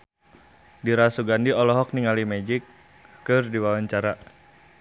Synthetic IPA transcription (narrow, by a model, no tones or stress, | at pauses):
diɾasuɡandiɔlɔɦɔk̚niŋalimɛd͡ʒikː | ɨrdiwawaɲt͡ʃaɾa